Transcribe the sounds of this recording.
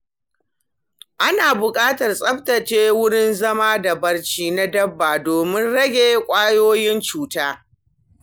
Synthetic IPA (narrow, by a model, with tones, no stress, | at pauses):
ʔa˦naː˨bʊ˨kʼaː˦tɐ˨rsʼɐ˦ɸtɐ˨t͡ʃeː˦wʊ˦ɽɪ˦nzɐ˦maː˦da˨bɐ˦rt͡ʃiː˦na˦dɐ˦bːaː˨doː˨mɪ˦nɽɐ˦ɡʲeː˦kʷʼaː˦joː˦jɪ˦nt͡ʃuː˦taː˦